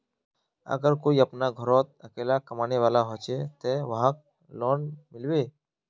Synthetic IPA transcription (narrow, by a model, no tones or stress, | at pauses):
ə̰ɡəɾkoːiːəpnaɡʱəɾɔːt̪̚əkeːlakəmaːneːʋaːlaɦɔːt͡ʃeːt̪eːʋəɦãːk̚ | lɔːnmɪlweː